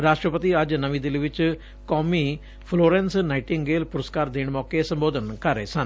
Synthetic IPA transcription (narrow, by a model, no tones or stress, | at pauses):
ɾaːʂʈɾəpət̪iɐd͡ʒnɐʋĩd̪ɪliʋɪt͡ʃ | kɔːmi | pʰloːɾensnaɪʈɪŋɡɡeːlpʊɾəskaːɾd̪eːɽ̃mɔːkesɐ̃mboːd̪ʱənkɐɾḛsɐn